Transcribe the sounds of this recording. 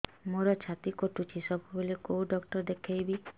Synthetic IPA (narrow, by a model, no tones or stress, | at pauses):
moɾɔt͡ʃʰat̪ikoʈut͡ʃʰisɔbʱubolekouɖɔkʈɔɾd̪ekʰajbi